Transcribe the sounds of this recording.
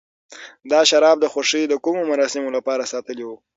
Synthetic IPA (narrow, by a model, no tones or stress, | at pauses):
d̪ɑʃaɾɑb̚d̪əxoʂid̪əkumomaɾɑsɪmolapɑɾasɑt̪əliwu